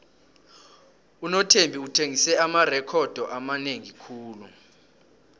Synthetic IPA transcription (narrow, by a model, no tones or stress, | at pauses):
unɔtʰembʱiutʰeŋisɛamarɛkʰɔd̥ʱɔʔamaneŋikʰuːlu